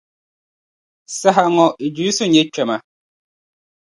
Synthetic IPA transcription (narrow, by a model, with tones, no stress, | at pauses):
sa˦ɦa˨ŋɔ˨i˨d͡ʒu˨˦su˦ɲɛ˦t͡ʃɛ˨ma˨